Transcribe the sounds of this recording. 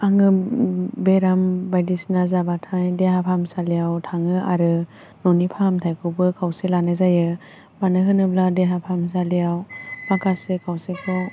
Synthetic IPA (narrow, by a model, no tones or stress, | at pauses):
aŋɯbeɾambajdisnazabatʰajdeɦapʰamsalijawtʰaŋɯaɾɯ | nɔnipʰamtʰajkʰɯbɯkʰawselanazajɯ | banɯɦɯnɯbladeɦapʰams̬alijawmakʰasɯkʰawsekʰɔ